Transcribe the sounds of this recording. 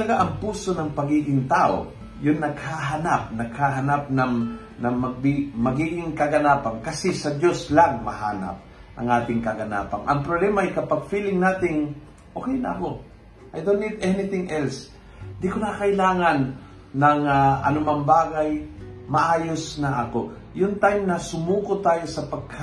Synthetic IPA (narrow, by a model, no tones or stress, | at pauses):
ɐlɐɡaʔɐŋpuːso̞nɐŋpɐɡiːɡɪŋt̪aːʔo̰ | jʊnːɐɡhaɦɐnap̚nɐɡ̥̚haɦɐnap̚nɐŋ | nɐŋmɐɡ̚bimɐɡiːɡɪŋkɐɡɐnaːpɐŋkɐsɛsɐd͡ʒo̞slaŋmɐhaːnɐ̰p̚ | ʔɐ̰ŋʔaːt̪ɪŋkɐɡɐna̰ːpɐŋʔɐ̰ŋpɾoblɛːmɐʔɐjkɐpaɡ̚filɪŋnaːt̪ɪŋ | ʔoːkɛjnɐ̰ɐko | ʔajd̪onɪt̪ʔɛnɪt̪ɪŋʔɛls | nd̪ikonɐkɐʔɪlaːŋɐnː | ɐŋaʔɐ̰nʊmɐŋbaːɡɐjmɐʔaːjosnɐʔɐko̞ | jʊŋt̪ajmnɐsʊmuːkot̪aːjo̞sɐpɐɡ̚h